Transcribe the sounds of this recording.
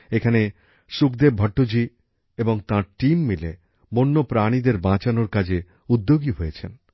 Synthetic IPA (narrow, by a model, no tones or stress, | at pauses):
ekʰane | ʃukd̪ebbʱɔʈːod͡ʑi | eboŋt̪ãɾʈimːile | bonːopɾaɽ̃id̪eɾbãt͡ɕanoɾkad͡ʑe | ud̪ːoɡiɦojet͡ɕʰen